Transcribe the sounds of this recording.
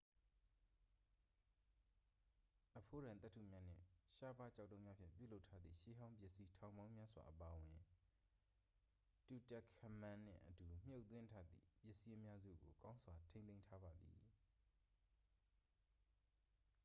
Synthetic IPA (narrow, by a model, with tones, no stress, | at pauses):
ʔəpʰo˦ɾã˨nt̪ɛ˦tʰːṵ˦˨mja˦n̥ɪ̰̃˦˨ʃa˦ba˦t͡ɕa˦˨tːõ˦ʊ̃mja˦pʰjɪ̰̃˦˨mp̬jṵ˦˨lo˦ʊtʰːa˦d̪ðḭ˦˨ʃe˦ɦã˦ʊ̃mpjɪ˦ʔsi˦tʰã˨ʊ̃mbã˦ʊ̃mja˦swa̰˨ʔəpa˨ʔwɪ̃˨ | tu˨tɛ˦˨kʰːə˨mã˨n̥ɪ̰̃˦˨ʔə˨tu˨m̥jo˦ʊʔt̪wɪ̃˦ntʰa˦d̪ðḭ˦˨pjɪ˦ʔsi˦ʔəmja˦zṵ˦˨ɡo˨kã˦ʊ̃nsʰwa˨tʰẽ˦nẽ˦ɪ̃ntʰa˦ba˨d̪ðḭ˨